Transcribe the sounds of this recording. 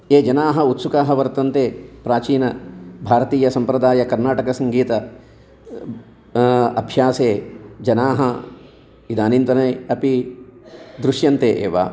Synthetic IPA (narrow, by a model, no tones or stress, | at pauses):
eːd͡ʒɐnaːɦɐut̪sukaːɦɐʋɐɾt̪ɐnt̪eːpɾaːt͡ʃiːnɐbʱaːɾɐt̪iːjɐsɐmpɾɐd̪aːjɐkɐɾnaːʈɐkɐsɐŋɡiːt̪ɐ | ɐbʱjaːseːd͡ʒɐnaːɦɐ | id̪aːnint̪ɐnɐjɐpi | d̪ɾuʃjɐnt̪eːʔḛːʋa̰ː